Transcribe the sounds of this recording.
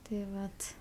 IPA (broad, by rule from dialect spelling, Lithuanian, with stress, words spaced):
tɐɪ ˈʋɐt